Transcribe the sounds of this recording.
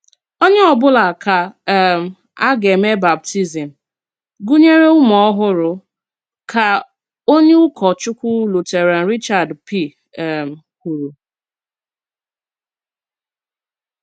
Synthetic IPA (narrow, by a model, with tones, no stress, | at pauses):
o˦ɲe˦ɔ˨bʊ˦la˨ka˨m̩˨ | a˦ɡe˨me˦ba˨p̚tʰi˦zi˨m̩˨ | ɡu˦ɲe˦ɾe˦ʊ˦mɔ˦ɦʊ˦ɾʊ˨ | ka˨ | o˦ɲe˦ʊ˦kʰɔ˨t͡ʃʊ˦kʷʊ˦lu˨te˨ɾa˨n̩˨ɾi˦t͡ʃa˨dpi˦˨ | m̩˨kʷu˨ɾu˨